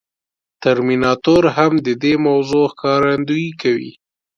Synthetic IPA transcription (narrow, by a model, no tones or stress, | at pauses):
t̪aɾminɑt̪oɾɦamd̪əd̪emawzoxkɑɾand̪ujkawḭ